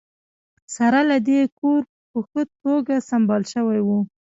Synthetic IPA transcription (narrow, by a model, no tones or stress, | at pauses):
saɾalad̪ekoɾ | pəxət̪oɡasambɑlʃəwajwu